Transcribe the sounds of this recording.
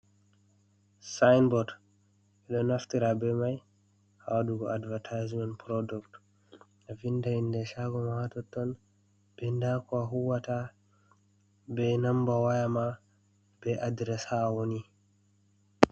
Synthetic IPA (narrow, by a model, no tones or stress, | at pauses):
sajnbɔd | ɛɗɔnaftiɾabɛmaj | ha̰waduɡɔadvatʰajzmɛnpɾɔdukt | avindahindɛʃaɡɔmawatɔtːɔn | b̥ɛndakɔaɦuwata | bɛnambawajama | b̥ɛʔadɾɛshawoni